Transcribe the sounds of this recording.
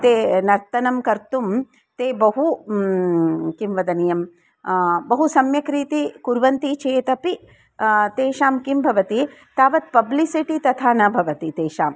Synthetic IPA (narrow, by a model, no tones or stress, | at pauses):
t̪eːnɐɾt̪ɐnɐmkɐɾt̪um | t̪eːbɐɦu | kimʋɐd̪ɐnijɐm | bɐɦusɐmjɐkɾiːt̪ikuɾʋɐnt̪it͡ʃeːt̪ɐpi | t̪eːʃaːmkimbʱɐʋɐt̪it̪aːʋɐt̪̚pɐblisiʈit̪ɐt̪ʰaːnɐbʱɐʋɐt̪it̪eːʃaːm